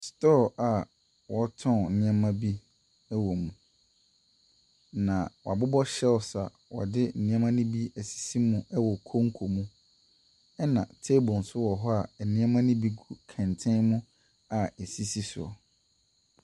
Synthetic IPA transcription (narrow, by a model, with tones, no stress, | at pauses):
stɔ˦˨a˨ | wɔ˨tʰɔ̃˦˨nɪ̃˦a˦mã˦bi˦ | ɛ˦wɔ˨mũ˨ | nã˨wa˨bʊ˦bɔ˦ɕɛ˦ɔ˨sa̰˨ | wɔ̰˨dɪ˦n̩˨nɪ̃˦a˦mã˦nʊ̃˦bi˦æ˨si̥˨si˦mũ˦ʔɛ˦wɔ˨kʰo˦ŋ̩˦kʰo˨mũ˦ | ɛ˦nã̰˨tʰe˦bɔ˨n̩˨sʊ˦wɔ˨ɦɔ˦a˨ɛ˨nɪ̃˦a˦mã˦nɪ̃˦bi˦ɡu˨kʰɛ̃˨ntʰɪ̃˦nmʊ̃˦ | a˨e˨si˦si˦sʊ̰˨ɔ̰˨